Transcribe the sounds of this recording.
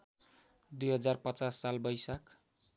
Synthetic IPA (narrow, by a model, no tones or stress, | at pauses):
d̪ujɦʌd͡zarpʌt͡sasːalbʌjsak